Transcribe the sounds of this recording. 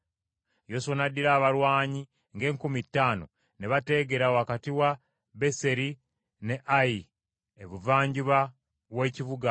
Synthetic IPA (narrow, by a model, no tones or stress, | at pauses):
josonadiɾaːβaɾwaːɲi | ŋɡe̞ːŋkumitːaːno̞̰ | neβate̞ːɡe̞ɾawakatiwa | be̞se̞ɾi | ne̞ʔai | eβuvaːɲɟuβa | weːcivuɡa